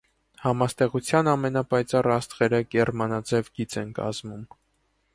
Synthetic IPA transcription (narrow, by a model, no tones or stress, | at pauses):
hɑmɑst̪ɛʁut͡sʰjɑnɑmɛnɑpɑjt͡sɑrɑst̪ʁɛɾəɡɛrmɑnɑd͡zɛvɡit͡sɛnkɑ̰zmum